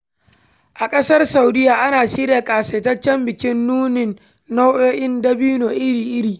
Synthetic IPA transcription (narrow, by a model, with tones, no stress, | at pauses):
ʔa˨kʼɐ˦sɐ˦rsa˨wdɪ˦jaː˨ʔa˦naː˨ʃi˦ɾaː˨kʼaː˨seː˨tɐ˦t͡ʃːɛ˦mbɪ˨kʲɪ˦nːuː˦nɪ˨nː | o˦wʔoː˦ʔɪ˦ndɐ˦biː˦noː˨ʔɪ˦ɽiː˨ʔɪ˦ɽiː˨